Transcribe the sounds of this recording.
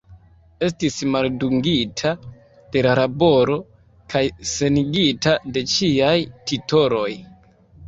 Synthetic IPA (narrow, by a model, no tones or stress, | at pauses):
e̞stismalduŋɡitʰa | d̥e̞lalabo̞ɾo̞ | kajse̞niɡitade̞t͡ʃiajtito̞ɾo̞j